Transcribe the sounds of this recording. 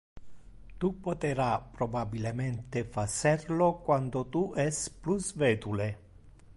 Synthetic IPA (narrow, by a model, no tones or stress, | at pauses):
t̪upːot̪eɾapɾobabilemɛnt̪efasɛrlokwand̪ot̪uʔɛsplusvɛːt̪ule